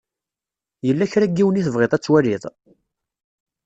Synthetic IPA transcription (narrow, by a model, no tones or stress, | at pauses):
jəlːæçɾæɡːiwəniθəvʁeðˤæt͡sːwæliðˤ